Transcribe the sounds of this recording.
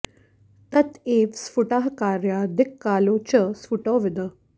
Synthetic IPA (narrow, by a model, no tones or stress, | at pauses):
t̪ɐt̪eːʋsfuʈaɦkaːɾjad̪ɪkːaːlot͡ɕəsfuʈoʋɪd̪ə